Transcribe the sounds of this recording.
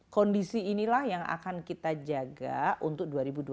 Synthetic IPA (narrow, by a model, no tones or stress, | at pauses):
kɔndisiːnilahjaŋa̰kankit̪ad͡ʒaɡa̰ʔunt̪ʊk̚duaɾibudu